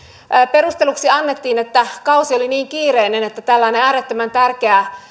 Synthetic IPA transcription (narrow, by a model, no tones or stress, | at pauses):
perust̪eluksiɑnːet̪ːiːnet̪ːækɑusioliniːŋkiːreinenet̪ːæt̪ælːæineæːɾet̪ːømænt̪ærkeæ